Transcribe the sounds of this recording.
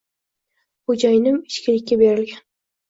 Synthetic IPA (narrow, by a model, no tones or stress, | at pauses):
χod͡ʒajnɪmɪʃkʲɪlɪkʲːabe̞ɾɪlɡʲan